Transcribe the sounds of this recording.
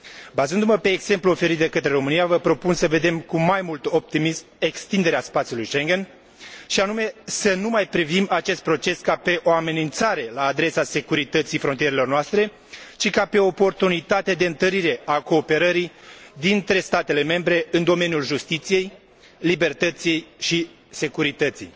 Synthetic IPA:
bazɨnd̪uməpe̞ːɡz̥e̞mpluo̞fe̞ɾit̪̚d̪e̞kət̪ɾe̞ɾo̞mɨnijavəpɾo̞punsəve̞d̪e̞mkumajmult̪o̞p̚t̪imisme̞kst̪ind̪eɾeaspat̪sjulujʃe̞ŋɡʲe̞n | ʃianume̞sənumajpɾivimat͡ʃe̞st̪̚pɾo̞t͡ʃe̞skape̞ʔo̞ame̞nint̪saɾe̞laːd̪ɾe̞sase̞kuɾit̪ət̪sifɾo̞nt̪ijeɾelo̞rnoast̪ɾe̞ | t͡ʃikape̞oːpo̞rt̪unit̪at̪ed̪e̞ɨnt̪əɾiɾe̞ako̞ːpe̞ɾəɾid̪int̪ɾe̞st̪at̪e̞le̞me̞mbɾe̞ɨnd̪o̞me̞njulʒust̪it̪sije̞j | libe̞rt̪ət̪sije̞jʃi | se̞kuɾit̪ət̪sḭj

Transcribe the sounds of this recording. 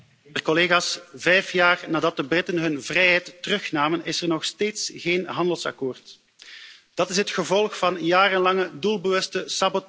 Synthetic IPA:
ɛrkɔleːɣaːsv̥ɛjfjaːrnaːdɑt̚dəbrɪtənɦɵnvrɛjɦɛjtːərɵxnaːmənɪsərnɔxsteːtsɣeːnɦɑndəlˠsɑ̰koːrt | d̥ɑtɪs̬ɦətxəvɔlˠxfɑnjaːrənlɑŋədulˠbəʋɵstəsabɔt

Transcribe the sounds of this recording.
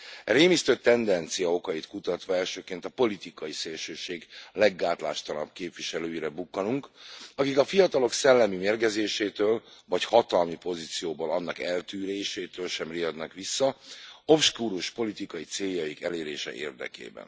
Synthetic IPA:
ɛɾeːmist̪øːt̪ːɛnd̪ɛnt̪sijɒo̞kɒjit̪kut̪ɒt̪ʋɒɛlʃøːkeːnt̪ɒpo̞lit̪ikɒjiseːlʃøːʃeːɡlɛɡːaːt̪la̰ːʃt̪ɒnɒbkeːpʋiʃɛløːiɾɛbukːɒnuŋkɒkikɒfijɒt̪ɒlo̞ksɛlːɛmimeːrɡɛzeːʃeːt̪øːlvɒchɒt̪ɒlmipo̞zit̪sijoːbolɒnːɒkɛlt̪yːɾeːʃeːt̪øːlʃɛmrijɒd̪nɒkʋisːɒofʃkuːɾuʃpo̞lit̪ikɒjit̪seːjɒjikɛleːɾeːʃɛ̰ʔḛːrd̪ɛ̰kḛːbɛ̰n

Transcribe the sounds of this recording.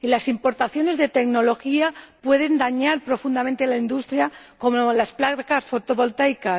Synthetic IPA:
ilasimpo̞ɾt̪aθjo̞ne̞zðe̞t̪e̞kno̞lo̞xiapwe̞ðe̞nd̪aɲaɾpɾo̞fund̪ament̪elaind̪ust̪ɾja | ko̞molasplakasfo̞t̪o̞βo̞lt̪ajka

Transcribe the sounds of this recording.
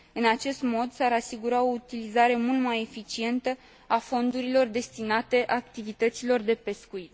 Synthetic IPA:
ɨnat͡ʃe̞st̪mo̞d̪saɾasiɡuɾao̞ut̪ilizaɾe̞mult̪maje̞fit͡ʃie̞nt̪ə | afo̞nd̪uɾilo̞rd̪e̞st̪inat̪e̞ʔak̚t̪ivit̪ət̪silo̞rd̪e̞pe̞skuit̪

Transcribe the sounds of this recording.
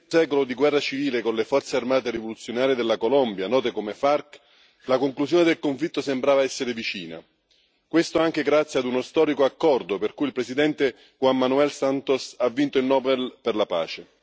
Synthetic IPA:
sɛːkolod̪iɡwɛrːat͡ʃiviːlekonlefɔrt̪searmaːt̪eɾivolut̪sːjonaːɾijed̪elːakolɔmbjanɔːt̪ekomefark | lakoŋklusjoːned̪elkoɱflit̪ːosembɾaːvaɛsːeɾevit͡ʃḭːna̰ | kwest̪oaŋk̟eɡɾat̪sːjad̪unost̪ɔːɾikoakːɔrd̪operkujilpɾesid̪ɛnt̪e | xwamːanuɛlsant̪osavːint̪oilnɔːbelperlapa̰ːt͡ʃe

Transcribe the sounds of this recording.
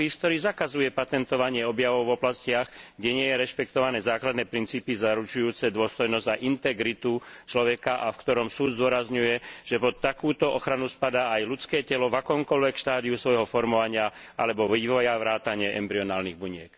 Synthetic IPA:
iːsk̚t̪ɔɾiːzakazujɛpat̪ɛnt̪ɔʋaɲɪɛɔbjaʋɔʊvɔblascɪaɣɡɟɛɲɪɛjɛɾɛʃpɛkt̪ɔʋanɛːzaːklad̪nɛːpɾint͡siːpizaɾut͡ʃujuːt͡sɛd̪ʊɔst̪ɔjnɔzɟaʔint̪ɛɡɾit̪ut͡ʃlɔʋɛkaʔafkt̪ɔɾɔmsuːd̪zd̪ʊɔɾazɲujɛʒ̥ɛpɔt̪ːakuːt̪ɔʔɔxɾanuspad̪aːajlut͡skɛːcɛlɔvakɔːmkɔʎʋɛkʃt̪aːd̪iusʋɔjɦɔfɔɾmɔʋaɲɪa | ʔa̰lɛbɔʋiːʋɔjaʋɾaːt̪aɲɪɛʔɛ̰mbɾiɔnaːlniɣbuɲɪɛk

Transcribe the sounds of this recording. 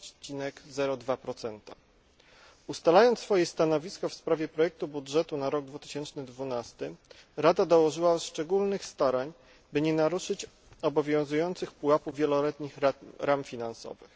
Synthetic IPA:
t͡ɕinɛɡzɛɾɔd̪vapɾɔt̪sɛnt̪a̰ | ust̪alajɔnt̪sfɔjɛst̪anɔvʲiskɔfspɾavʲjɛpɾɔjɛk̚t̪ubudʐɛt̪unaɾɔɡ̚d̪vut̪ɘ̥ɕɛnt͡ʂnɘd̪vunast̪ɘ | ɾad̪ad̪ɔwɔʐɘwaʂt͡ʂɛɡulnɘxst̪aɾaɲ | bɘɲɛnaɾuʂɘt͡ɕ | ɔbɔvʲjɔ̃w̃zujɔnt̪sɘxpuapuvvʲjɛlɔlɛt̪ɲixɾamfʲinansɔ̰vɘ̰x

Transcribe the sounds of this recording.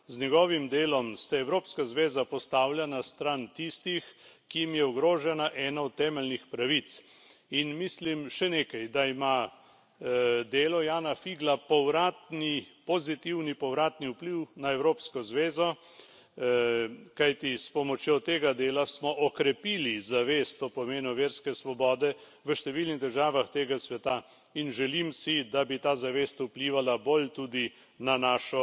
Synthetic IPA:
znɛɡɔːʋimd̪eːlɔmsɛɛwɾoːpskazʋeːzapɔst̪awljanast̪ɾant̪ist̪ixkijimjɛɔɡɾoːʒɛnaʔɛːnaɔt̪ːɛːmɛlnixpɾaʋit̪s | inmislimʃɛneːkɐjd̪aima | d̪eːlɔjaːnafiɡlapɔwɾat̪nipɔzit̪iwnipɔwɾaːt̪niupliwnaɛwɾoːpskɔzʋeːzɔ | kajt̪ispɔmɔt͡ʃjot̪eːɡad̪eːlasmɔʔɔkɾɛpiːlizaʋeːst̪opɔmeːnɔʋeːɾskɛsʋɔbɔːd̪ɛ | ʋəʃt̪ɛʋiːlniɣd̪əɾʒaːʋaxt̪eːɡasʋɛt̪a | inʒɛlimsid̪abit̪aːzaʋeːst̪upliːʋalabolt̪ud̪i | nanaːʃɔ

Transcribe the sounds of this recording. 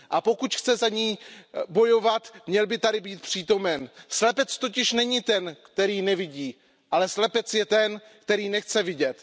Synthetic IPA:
ʔapo̞kut̪xt͡sɛzaɲiːbo̞jo̞vat̪mɲɛlbɪt̪adɪbiːt̪̚pr̝̥iːt̪o̞mɛnslɛpɛt͡st̪o̞cɪʃnɛɲɪt̪ɛnkt̪ɛɾiːnɛvɪɟiː | ʔalɛslɛpɛt͡sjɛt̪ɛnkt̪ɛɾiːnɛxt͡sɛvɪɟɛt̪

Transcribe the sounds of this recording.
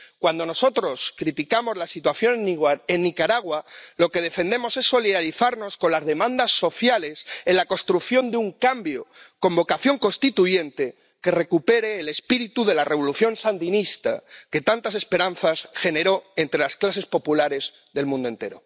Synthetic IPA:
kwand̪o̞no̞so̞t̪ɾo̞skɾit̪ikamo̞zlasit̪waθjo̞nenːikaɾaɣwalo̞ke̞ðe̞fe̞nd̪e̞mo̞se̞sːo̞liðaliθaɾno̞sko̞nlazðe̞mãnd̪asːo̞θjale̞se̞nlako̞st̪ɾuθjo̞nd̪euŋkambjoko̞mbo̞kaθjo̞ŋko̞nst̪it̪uʝe̞nt̪e̞ | ke̞re̞kupe̞ɾe̞ːle̞spiɾit̪uðe̞lare̞β̞o̞luθjõ̞nsand̪inist̪a̰ke̞t̪ant̪as̬e̞spe̞ɾanθasxe̞ne̞ɾo̞e̞nt̪ɾe̞lasklase̞spo̞pulaɾe̞z | ðe̞lmũnd̪oent̪e̞ɾo̞

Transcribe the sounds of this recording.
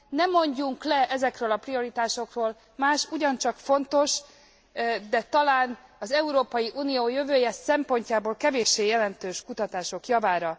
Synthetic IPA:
nɛmːo̞ɲɟuŋklɛʔɛzɛkrøːlɒprio̞ɾit̪aːʃo̞kroːl | maːʃuɟɒnt͡ʃɒkfo̞nt̪o̞ʃ | d̪ɛt̪ɒlaːnɒzɛuɾoːpɒjiʔuːnijoːjø̞vøːjɛsɛmpo̞ɲcaːboːlkɛveːʃːeːjɛlɛnt̪øːʃkut̪ɒt̪aːʃo̞kjɒvaːɾɒ

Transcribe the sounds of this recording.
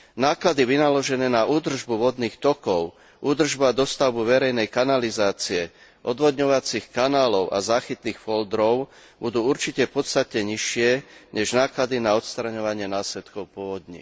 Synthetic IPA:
naːklad̪iʋinalɔʒɛnɛːnaʔuːd̪r̩ʒbuʋɔd̪niːxt̪ɔkɔʊ | ʔuːd̪r̩ʒbuad̪ɔst̪aʊbuʋɛɾɛjnɛjkanalizaːt͡siɛ | ʔɔd̪ʋɔd̪ɲɔʋat͡sixkanaːlɔʊʔa̰zaːxit̪niːxfɔld̪ɾɔʊ | bud̪uːuɾt͡ʃicɛpɔt̪st̪at̪ɛɲiʃɪɛɲɛʒnaːklad̪inaɔt̪st̪ɾaɲɔʋaɲɪɛnaːslɛt̪kɔʊpʊɔʋɔd̪ɲḭ

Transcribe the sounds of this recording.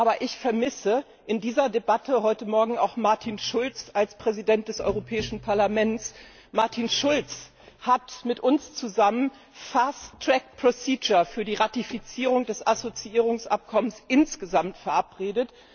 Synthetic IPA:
ʔʔaːbɐʔɪçfɛɐmɪsə | ʔɪndiːzɐdebatʰəhɔʏtəmɔɐɡŋ̩a̰ʊxmaɐtʰinʃʊlt͡salspʁ̥ɛzidɛnt̚d̥ɛsʔɔ̰ʏʁopʰɛːɪʃn̩pʰaɐlamɛnt͡s | maɐtʰinʃʊlt͡s | hatmɪtʔʊnst͡suzamən | faɐstʁ̥ɛk̚pʁ̥osiːd͡ʒɐfyːɐdiːʁatifit͡siːʁʊŋdɛsasot͡siʔiːʁ̞ʊŋsʔa̰p̚kʰɔmənsʔɪnsɡ̥əzamtfɛɐʔapʁ̥eːdət

